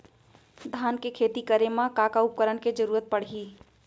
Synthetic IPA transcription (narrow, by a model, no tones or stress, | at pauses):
d̪ʱaːnkekʰeːt̪ikəɾemãkakaʊp̚kəɾənked͡ʒəɾuːɾət̪̚pəɽ̤ɦiː